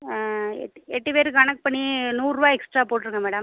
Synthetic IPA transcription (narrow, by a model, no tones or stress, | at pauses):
ɛ̰ʈːɛʈːɯpeːɾɯkːɯɐnɐkːɯpɐɳːinuːɾɯʋaːɛksʈɾaːpoːʈ̬ːɯɾɯŋɡɐmeːɽɐm